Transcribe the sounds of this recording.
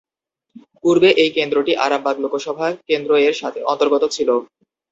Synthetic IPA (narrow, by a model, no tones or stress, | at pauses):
kuɾbeʔejkend̪ɾoʈiʔa̰ɾambʱaɡlokʰoʃɔbʱakend̪ɾoeɾʃat̪ʰeʔɔnt̪oɾɡot̪ot͡ɕʰilo